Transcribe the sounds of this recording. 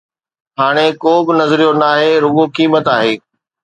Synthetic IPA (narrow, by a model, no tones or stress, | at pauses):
ɦaːɽ̃ekoːbɪnɐzɾijonaːɦeɾʊɠokiːmət̪aːɦeː